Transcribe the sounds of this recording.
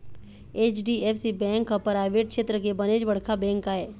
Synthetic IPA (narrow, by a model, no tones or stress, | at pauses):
eːt͡ʃɖieːpsibɛ̃ːŋkːapɾaːɪʋeːʈ̚kʃeːt̪ɾəkebəneːd͡ʒbəɽ̤kʰabɛ̃ːŋkaɦɛː